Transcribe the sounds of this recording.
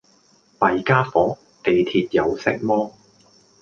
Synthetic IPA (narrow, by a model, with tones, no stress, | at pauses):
pɐ˨jkaː˥fɔː˨˥ | t̪e˨jt̪ʰiː˧t̚jɐ˨˧wsɪ˥k̚mɔː˥